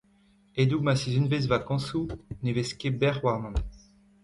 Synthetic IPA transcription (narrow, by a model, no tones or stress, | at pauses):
ed̪umasizynvez̬vakɑ̃suneveskebɛʁwaʁnɑ̃n